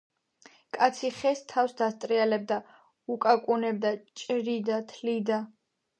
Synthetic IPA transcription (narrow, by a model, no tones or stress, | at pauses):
kʼat̪sʰiχɛst̪ʰafsd̪ast̪sʼɾialɛb̚d̪a | ukʼakʼunɛb̚d̪at͡ʃʼɾid̪at̪ʰlid̪a